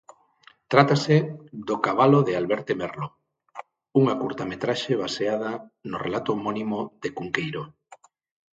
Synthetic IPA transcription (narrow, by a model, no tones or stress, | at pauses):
t̪ɾat̪ased̪okaβ̞aloðealβɛɾt̪emerlo | uŋakuɾt̪amet̪ɾaʃeβ̞aseað̞ɐnorḛlat̪oːmɔnimoðekuŋkejɾo